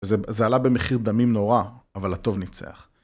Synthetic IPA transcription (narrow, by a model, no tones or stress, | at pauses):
zezealabe̞meχiʁd̪amimno̞ʁaavalhat̪o̞vnit͡sḛa̰χ